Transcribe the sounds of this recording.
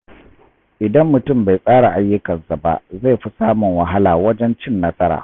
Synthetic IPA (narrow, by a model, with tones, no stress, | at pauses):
ʔɪ˨dɐ˦mːʊ˨tʊ˦˨mba˨jsʼaː˦ɽa˨ʔa˦jːʊ˦kɐ˨nsa˨ba̰˦ʔza˦˨jɸi˦saː˦mʊ˨ŋwɐ˨ɦa˦laː˨wɐ˦d͡ʒɛ˦nt͡ʃɪ˦nːɐ˦sɐ˦ɾa̰ː˨